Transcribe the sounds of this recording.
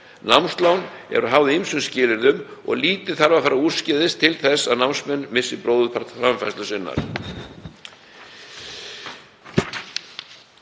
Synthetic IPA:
nawmnst̪lawnɛ̰ɾɔɦavðɪimsʏmscɪːlɪɾðʏmɔ̰ɣliːt̪ɪ̥θaɾvafaɾaur̥scɪðɪst̪ʰɪlθɛsːaðnawmnsmɛnːmɪsːɪpɾoːwðʏpʰaɾ̥t̪fɾamfajslʏsɪnːa̰ɾ̥

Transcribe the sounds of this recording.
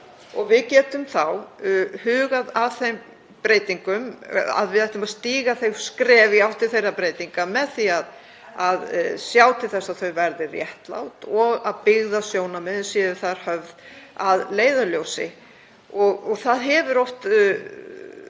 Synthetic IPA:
ɔɣvɪðcɛːt̪ʏmθawhʏːɣaðavθejm | pɾeːjt̪iŋkʏma̰ðvɪðɛjht̪ʏmast̪iːɣaθejskɾɛːvɪawht̪ɪlθejrːapɾeːjt̪iŋkamɛðθiað | aðsjawt̪ʰɪlθɛsːaðθœɥvɛɾðɪrjɛht̪la̰wt̪ɔɣaðpɪɣðasjoːwnamɛnsjɛːðʏθaðɾ̥hœvðaðleːjðʏljoːwsɪ̰ | ɔɣɔɣθaðɦɛvʏɾowht̪

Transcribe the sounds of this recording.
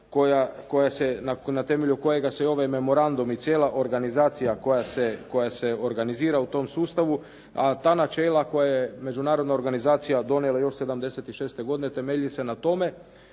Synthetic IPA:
kojakojasenanat̪e̞me̞ʎuko̞je̞ɡaseo̞ʋajme̞mo̞ɾand̪umit̪sʲjeːlaʔo̞ɾɡanizaːt̪sijakojaseko̞jaseo̞ɾɡaniziːɾaut̪o̞msuːst̪aʋu | at̪aːnat͡ʃe̞ːlako̞jajeme̞d͡ʒunaːɾod̪nao̞ɾɡanizaːt̪sijad̪o̞nelajo̞ʃse̞d̪amd̪e̞se̞t̪iʃe̞ːst̪e̞ɡo̞d̪ine̞t̪e̞meʎise̞nat̪o̞me̞

